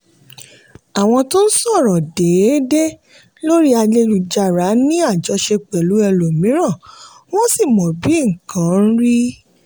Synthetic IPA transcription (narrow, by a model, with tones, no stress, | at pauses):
a˨w̃ɔ̃˧to˦n̩˦sɔ˦˨ɾɔ˨de˨˦de˦ | lo˦ɾi˦a˧le˧lu˨d͡ʒa˨ɾa˨˦nĩ˦a˦˨d͡ʒɔ˨˦ʃe˧k͡pɛ˨lu˨˦ɛ˧lo˨mĩ˨˦ɾ̃ã˦˨ | w̃ɔ̃˦si˦˨mɔ̃˨bi˨˦ŋ̩˨kʰã˨˦n̩˦ɾi˦